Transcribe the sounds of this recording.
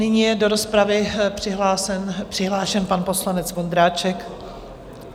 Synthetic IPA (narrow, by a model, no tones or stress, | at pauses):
nɪɲijɛdo̞ɾo̞spɾavɪpr̥ɪɦlaːsɛnpr̝̥ɪɦlaːʃɛnpanpo̞slanɛt͡svo̞nd̪ɾaːt͡ʃɛk